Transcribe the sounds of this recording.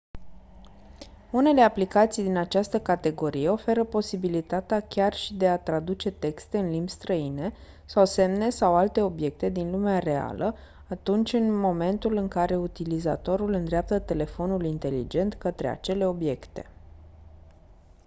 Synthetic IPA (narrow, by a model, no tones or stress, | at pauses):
une̞le̞aplikat̪sijd̪inat͡ʃast̪əkat̪e̞ɡo̞ɾije̞o̞fe̞ɾəpo̞sibilit̪at̪eakʲarʃid̪e̞at̪ɾad̪ut͡ʃe̞t̪e̞kst̪e̞ɨnlimbst̪ɾəine̞ | sawse̞mne̞sawalt̪e̞o̞bje̞k̚t̪e̞d̪inlumeare̞a̰lʔə | at̪unt͡ʃʲɨnmo̞me̞nt̪ulɨŋkaɾe̞ut̪iliza̰t̪o̞ɾulɨnd̪ɾeap̚t̪ət̪e̞le̞fo̞nulint̪e̞lḭd͡ʒe̞nt̪kət̪ɾea̰t͡ʃe̞le̞o̞bje̞kt̪e̞̥̰